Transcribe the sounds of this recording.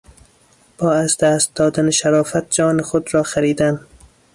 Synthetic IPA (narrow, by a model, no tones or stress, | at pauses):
b̥ɒːazd̪æst̪̚d̪ɒːd̪aneʃaɾɒːfat̪̚d͡ʒɒːnɪxod̪ɾɒːxaɾiːd̪an